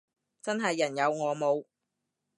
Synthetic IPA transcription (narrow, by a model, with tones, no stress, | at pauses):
t͡sɐ˥nɦɐ˨jːɐ˨˩njɐ˨˧wŋɔː˨˧mo˨˧w